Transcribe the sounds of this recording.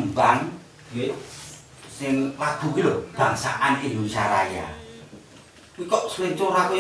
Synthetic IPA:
mbaŋ | ɡ̥iweʔ | sɪŋlaɡ̥ṳkilob̥a̤ŋsa̰ʔanindunisaɾaja̰ | wikɔʔsleŋt͡ʃoɾakoj

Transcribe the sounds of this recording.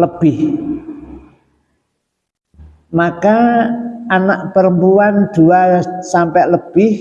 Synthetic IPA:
ləb̥ɪh | maka | anaʔpəɾəmpuwand̪̥uasampɛʔləb̥ɪh

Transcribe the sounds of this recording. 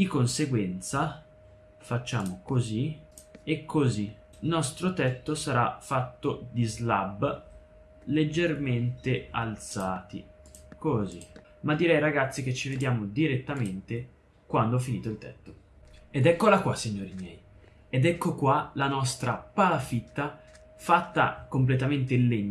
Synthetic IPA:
d̪̥ikonseɡwɛnt̪sa | fat͡ʃːaːmokoziekʰːozi | nɔst̪ɾot̪ɛt̪ːosaɾa̰fːat̪ːod̪izlab | led͡ʒːerment̪ealt̪saːt̪ḭ | kozḭ | mad̪ːiɾɛjɾaɡat̪sːik̟et͡ʃːived̪jaːmod̪iɾet̪ːament̪e | kwand̪oɛfːiniːt̪oilt̪ɛt̪ːo | ed̪ɛkːolakwasːiɲːoːɾimjɛj | ed̪ɛkːokwalanɔst̪ɾapalafit̪ːa | fat̪ːa̰komplet̪ament̪elːeɲː

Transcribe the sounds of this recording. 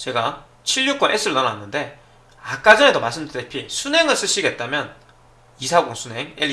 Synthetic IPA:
t͡ɕe̞ɡa | t͡ɕʰiɭjuk͈onʔe̞s͈ʰɯɾɯnʌnanːɯnde̞ | ak͈ad͡ʑʌne̞domaɭs̬͈ʰɯmdɯdepʰisʰunɦe̞ŋɯɭs͈ɯɕ͈ʰiɡe̞t̚t͈amjʌn | isʰaɡoŋsʰunɦe̞ŋe

